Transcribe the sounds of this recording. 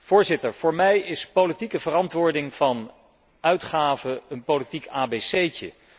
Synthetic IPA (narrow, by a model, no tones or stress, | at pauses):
v̥ʊːɹzɪtəɹv̥ʊːɹmɛjɪspowlitikəvərɑntʋʊːɹdɪŋv̥ɑn | ʔœɥtχaːvəənpolitikaːbesejcə̰